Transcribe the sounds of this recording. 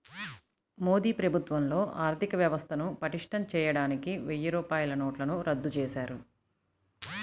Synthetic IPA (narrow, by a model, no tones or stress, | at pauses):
moːd̪iːpɾɐbʱut̪ʋɐmlo̞ːʔaːɾt̪ʰikɐʋjɐʋɐst̪ʰɐnupɐʈiʂʈʰɐmt͡ʃɛːjɐɽaːnikiʋejːɐɾɔːpaːjlɐnoːʈlɐnuɾɐd̪ːut͡ʃɛːsaːɾu